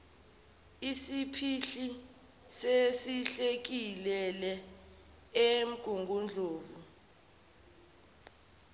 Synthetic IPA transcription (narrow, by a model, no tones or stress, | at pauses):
isipʰiɬi | sesiɬek̬ilɛlɛ | em̩ɡ̥ʱuŋɡʱund͡ɮʱoːvu